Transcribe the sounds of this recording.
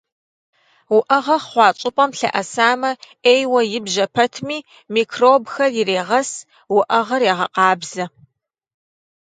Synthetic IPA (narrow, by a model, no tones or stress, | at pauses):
wʊʔɐʁɐχχʷɑːt͡ʃʼɪpʼɐmɬɐ̰ʔɐsaːmɐ | eːjwɐjɪbʒɐpʰɐtʰmiː | miːkʰroːbxɐrjɪreːʁɐs | wʊʔɐʁɐreːʁɐqɑːbz̥ɐ